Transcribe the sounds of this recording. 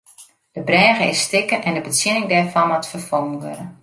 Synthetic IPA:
d̥əbrɛːɣəɪsːtɪkənʔɛndəbətsjɪnɪŋdɛːɹfɑnmɔtfərfɔŋˠənʋøɾə

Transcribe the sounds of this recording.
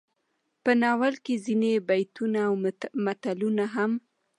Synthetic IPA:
pənɑwalkezinebajt̪unaːwmat̪alunaɦam

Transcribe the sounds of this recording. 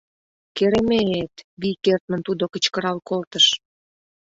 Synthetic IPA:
keɾemeet̪βikert̪̚mə̆nt̪ud̪okə̆t͡ɕkəɾɑlkolt̪əʃ

